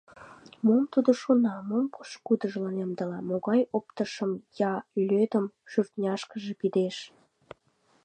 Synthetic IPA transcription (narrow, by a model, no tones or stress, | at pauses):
momt̪ud̪oʃonɑmompu̥ʃkud̪əʒlɑnemd̪əlɑmoɣɑjopt̪əʃəmjɑylʲød̪əmʃyrt̪nʲɑʃkəʒepid̪eʃ